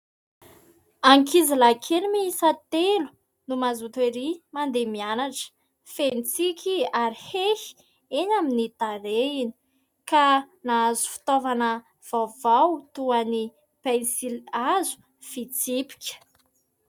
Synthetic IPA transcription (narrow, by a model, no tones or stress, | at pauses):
aŋkizilakʰelimiisat̪elu̥ | numazut̪eɾimand̪emianaʈ͡ʂə̥ | fenit͡sikʲiaɾihehi̥ | eɲaminit̪aɾeini̥ | ka | naazu̥fi̥t̪ovanə | v̥awvawt̪uani | pajnsilazu̥ | fit͡sipi̥kʲə̥